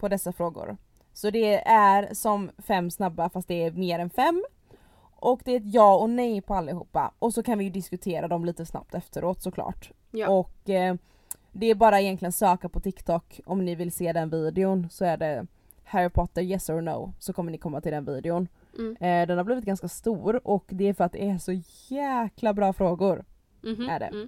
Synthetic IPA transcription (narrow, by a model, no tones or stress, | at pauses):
pʰɔd̪ɛsːafɾoːɡʊ̰ɾ | sɔd̪ɛʔæɾsɔmfɛmːsnabːafast̪̚d̪ɛːɾmeːɾɛnfɛmː | ʔɔkd̪ɛɛt̪jɑːɔnɛjpʰɔalːaɪhṵːpːa̰ʔɔsɔkʰanvɪjɵd̪ɪskɵt̪ʰeːɾad̪ɔmliːt̪əsna̰p̚t̪ɛft̪əɾoːt̪sɔkʰlɑ̰ːʈ | ɔk | d̪ɛæɾbɑːɾaɪjɛnt̪lɪɡənsøːkapʰɔt̪ʰɪkt̪ʰɔkɔmnɪvɪlseːd̪ɛnviːd̪ɪʊnsɔæɖɛ | hæɾɪpʰɔt̪ːəɾjɛsɔno̰ʊsɔkʰɔmːənɪkʰɔmːat̪ʰɪld̪ɛnviːd̪ɪʊn | d̪ɛnhaɾbliːvɪt̪̚ɡanskast̪uːɾɔkd̪ɛæɾfœɾat̪̚d̪ɛæʂɔjæːklabɾɑːfɾoːɡʊɾ | æɖɛ̰